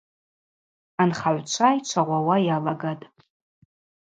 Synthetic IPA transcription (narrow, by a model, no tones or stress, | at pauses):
anχaʕʷt͡ʃʷʰajt͡ʃʷʰaʁʷawajalaɡatʼ